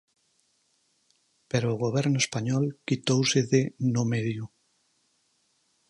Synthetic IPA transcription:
peɾoːɣoβɛɾnʊespaɲɔlkit̪owseðenomeðju

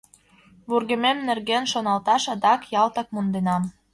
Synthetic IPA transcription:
βurɣə̆memnerɣenʃonɑlt̪ɑʃɑd̪ɑkjɑlt̪ɑk̚mund̪enɑm

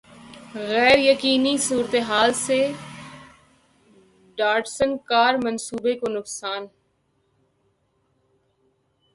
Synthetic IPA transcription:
ɣɛːɾjəkiːnisuːɾt̪eɦaːlse | ɖaːɾɖsə̃nkaːɾmɐnsuːbekonʊksaːn

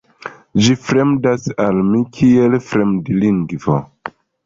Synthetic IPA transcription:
d͡ʒifɾemdasalmikʰielfɾemdiliŋɡvo̰

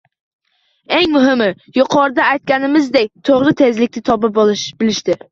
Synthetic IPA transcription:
eŋmʊɦɪmɪ | jʊqʰɒɾd̪aajt̪̚kʲanɪmɪzd̪ek̚ʲt̪ʰoʁɾɪt̪ʰe̞zlɪkʲnɪt̪ʰɒbɨpbɪlɪʃt̪ɪ

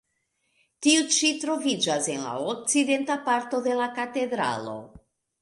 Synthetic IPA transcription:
tiut͡ʃitɾo̞vid͡ʒase̞nla̰ok̚t͡side̞ntapaɾto̞de̞lakate̞dɾa̰lo̞̰

